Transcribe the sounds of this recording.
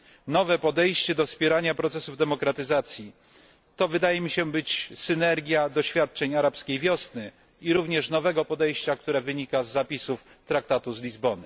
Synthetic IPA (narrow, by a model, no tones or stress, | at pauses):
nɔvɛpɔd̪ɛjɕt͡ɕɛd̪ɔspʲɛɾaɲapɾɔt̪sɛsuvd̪ɛmɔkɾat̪ɘzat̪sʲji | t̪ɔvɘd̪ajɛmʲiɕɛbɘt͡ɕsɘnɛɾɡʲjad̪ɔɕfʲjat̪̚t͡ʂɛɲaɾapskʲejvʲjɔsnɘ | iɾuvɲɛʂnɔvɛɡɔpɔd̪ɛjɕt͡ɕak̚t̪uɾɛvɘɲikazːapʲisuf | t̪ɾak̚t̪at̪uzlʲizbɔnɘ